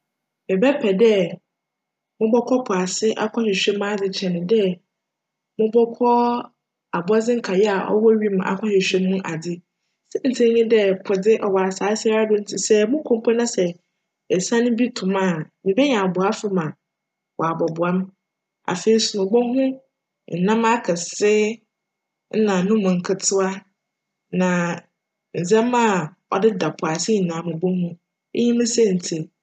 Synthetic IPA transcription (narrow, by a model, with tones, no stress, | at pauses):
mɪ˨bɛ˦pʰɛ˨dɛ˦ | mʊ̃˦bɔ˦kʰɔ˦pʰʊ˨a˨sɪ˦ʔa̰˦kʷʰɔ˦ɕɪ˨ɕᶣɛ̃˦mːã˦d͡zɪ˨t͡ɕʰɛ˨nʊ̃˨dɛ˦ | mʊ̃˦bɔ˦kʰɔ˦ | a˨bʊ˨˦a˦d͡zɪ̃˦ŋ̩˦kʰa˨jɛ˦a˨ʔɔ̰˦wɔ˦ɥi˦m˨a̰˨kʷʰɔ˦ɕɪ˨ɕᶣɛ̃˦mː˦ũ˦ʔa˨dɪ˦ | sɛ˦n̩˨tʰĩ˦ɲɪ̃˦dɛ˦pʰʊ˨dɪ˦ʔɔ˨wa˨a˨saː˨˦si˦a˦a˦dʊ̃˦n̩˦tʰi˨sɛ˦mʊ̃˦kʰʊ̃˨m˦pʰɔ˦nã˦sɛ˨ | ɛ˨sã˦nʊ̃˦bi˦tʰʊ̃˨mã˦˨nĩ˨bɛ˦ɲã˨bʊ˨a˦fɪ˦mã˨ | wʔɔ˨a˨bɔ˨bʊ˨ã˦m | a̰˨fe˨i˨sʊ˨nʊ̃˨ɡ͡bɔ˦ɦʊ̃˦ | n̩˨nã˦ma˦kʰɛ˨sɪ˦ | nã˨nʊ̃˦mʊ̃˨ŋ̩˨kʰɪ˨tʰʊ˦a˦ | nã˨ | n̩˨zɛ̃˦ma˦ | ɔ̰˨dɪ˦da˨pʰʊ˨a˨sɪ˦ɲi˨nã˨˦mʊ̃˨ɡ͡bo˦hʊ̃˦ | e˦ɲĩ˦mʊ̃˦sɛ̃˦˨n̩˨tʰi˨